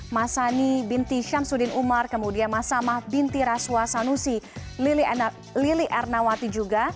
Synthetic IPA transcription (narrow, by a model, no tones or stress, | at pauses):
masanibint̪iʃamsudinumarkəmudianmasamahbint̪iɾasuasanusilili | liliʔɛrnawat̪id͡ʒuɡa